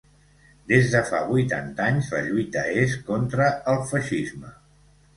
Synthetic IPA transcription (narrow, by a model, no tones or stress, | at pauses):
d̪ezðəfa̰βujt̪a̰nt̪aɲzlə̰ʎujt̪əeskont̪ɾəːlˠfəʃizmə